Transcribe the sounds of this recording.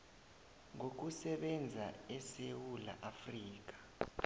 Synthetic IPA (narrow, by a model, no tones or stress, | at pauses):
ŋok̬usɛɓɛnd͡zʱaɛsewula̰ʔafriːk̬ḁ